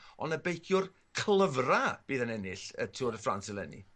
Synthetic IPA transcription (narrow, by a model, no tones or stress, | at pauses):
ɔnəbejkʰjʊr | kʰlˠəvrab̥iːðənɛnɪɬə̰tʰuːɾəfra̰nsɪlˠɛnḭ